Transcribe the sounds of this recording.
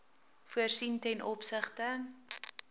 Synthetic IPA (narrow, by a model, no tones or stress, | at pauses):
fuərsintɛnɔpsəχtə